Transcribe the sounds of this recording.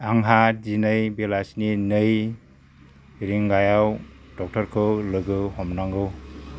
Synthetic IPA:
aŋɦat̚zinɯjbelasninɯj | ɾiŋɡajaw | dɔk̚tɔɾkʰɯlɯɡɯhɔmnaŋɡɯw

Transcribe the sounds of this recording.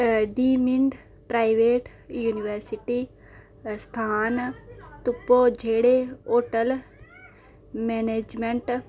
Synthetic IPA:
ɖiːmiɳɖ | pɾaːiʋeːʈ | juːniʋəɾsiʈiː | st̪ʰaːnt̪ʊpːoːd͡ʒʱeːɽeoːʈəl | meːneːd͡ʒmeɳʈ

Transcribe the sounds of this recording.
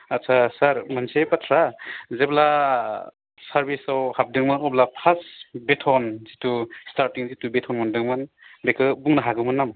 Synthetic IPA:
asʰasaɾmansepatʰɾazebla | saɾbisawhap̚dɯŋmɯnɔplapʰasbetʰɔnzitustaɾtiŋzitubetʰɔnmɔndɯŋmɯn | bekɯbuŋnaɦaɡɯmɯnam

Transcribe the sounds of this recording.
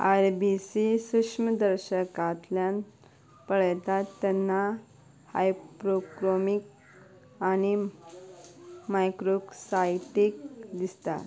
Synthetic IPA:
aɾbisisukʂməd̪əɾɕəkat̪ljan | pəɭəjt̪at̪ːanːa | ha̰jpɾokɾomik | añi | majkɾoksajʈikd̪ist̪a̰

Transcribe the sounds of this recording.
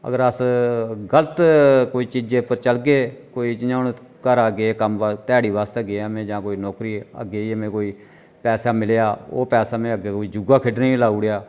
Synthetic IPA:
ə̰ɡəɾəsɡələt̪koːiːt͡ʃid͡ʒeːpəɾt͡ʃəlɡeːkoːiːt͡ʃaːn | kəɾaːɡeːkəmʋt̪ɛːɽiːbaːst̪əɡeːəmẽːd͡ʒãːkoːiːnɔːkɾiːə̰ɡeːəmẽːkoːiː | pɛːsaːmɪlejaːo̰ːpɛːsaːmẽːəɡeːkoːiːd͡ʒʊɡaːkʰɪɖnẽːlaːuːɽejaː

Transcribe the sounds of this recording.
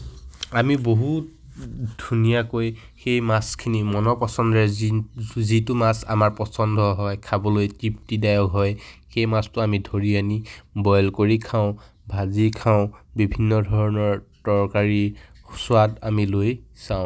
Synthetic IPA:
amiboɦut̚ | dʱunijakoj | xejmaskʰinimɔnɔpɔsɔndɔɛ | zitʊmasa̰maɹpɔsɔndʱɔɦɔjkʰabɔlojtiptidajɔkɦɔjxejmastʊamidʱoɹianibɔjlkoɹikʰaʊ̃ | bʱazikʰaʊ̃bibʱinːɔdʱɔɹɔnɔɹtɔɹkaɹisʊatamilojsãʊ̃

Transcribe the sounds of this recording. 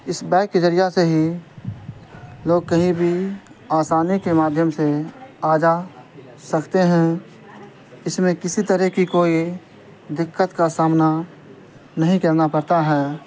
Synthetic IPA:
ɪsbɛːkːed͡ʒəɾijaseɦi | loːɡ̚kɐɦĩbʱiaːsaːnikemaːd̪ʱjəmseaːd͡ʒa | sɐkt̪eɦɛ̃ | ɪsmẽkɪsit̪əɾəɦkikoːi | d̪ɪkːət̪kasaːmna | nɐɦĩkɐɾnapɐɾt̪aɦɛː

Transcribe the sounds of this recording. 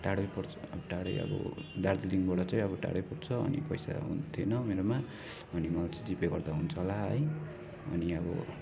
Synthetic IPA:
ʈaɽʌjpʌɾt͡sʰʌ̥ʌbʌʈaɽʌ̰jʌ̰bʌ̰d̪ard͡ziliŋbaɽʌt͡sʌ̃j̃ʌbʌʈa̰ɽʌjpʌɽt͡sʰʌʌ̰nḭpʌjsa̰ɦṵnt̪ʰenʌmeɾoma | ʌnimʌlat͡sʌj̃d͡zipeɡʌrd̪aɦunt͡sʰʌlaɦʌ̰j | ʌ̰niʌbʌ̰

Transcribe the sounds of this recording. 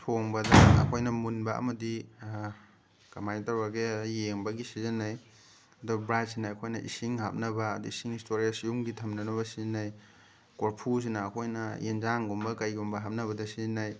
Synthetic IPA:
tʰoŋbɐdɐɐ̰kʰojnɐmunbɐɐ̰mɐdi | kɐmajtɐɾbɐɡejeŋbɐɡisizinːaj | ɐdubɾasinɐɐkʰojnɐʔḭsiŋɦap̚nɐbɐːduisiŋistʰoɾiasijumɡitʰɐmnɐnɐβɐsizinːaj | koɾpʰus̬inɐːkʰojnɐjend͡ʒaŋɡombɐkajɡumbɐɦap̚nɐβɐdɐsizinːaj

